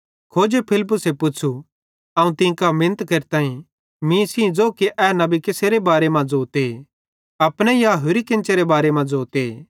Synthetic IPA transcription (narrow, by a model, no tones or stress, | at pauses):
kʰoːd͡ʒepʰɪlɪp̬ːʊsepʊt͡ʃʰu | ɐũt̪ɪ̃kamɪnət̪kɐɾt̪ãːĩ | mĩsĩd͡zoːkiʔɛːnɐbikeseːɾebaːɾemãd͡zoːt̪e | ɐpɽ̃ẽjaːɦʊɾikɪ̃nt͡ʃeɾebaːɾemãd͡zoːt̪e